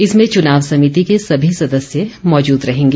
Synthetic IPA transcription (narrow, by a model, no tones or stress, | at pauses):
ɪsmẽt͡ʃʊnaːʋsɐmit̪ikesɐbʱisɐd̪əsjemɔːd͡ʒuːd̪ɾɐɦẽːŋɡeː